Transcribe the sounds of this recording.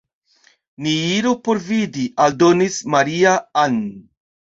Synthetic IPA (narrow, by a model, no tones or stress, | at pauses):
niiɾupo̞ɾvidiʔaldo̞nismaɾiaan